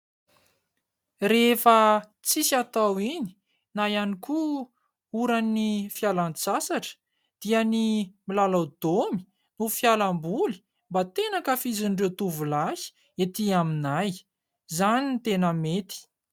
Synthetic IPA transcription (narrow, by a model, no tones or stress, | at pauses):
refə | t͡sisat̪awini̥ | najaniku | uɾanːifjalant͡sasaʈ͡ʂə̥ | d̪̥iənimilalawd̪̥omi̥ | nufjalambuli̥ | mbat̪enakəfiziɳɖ͡ʐet̪uvulasi̥ | et̪iaminaj | zanint̪enəmet̪i̥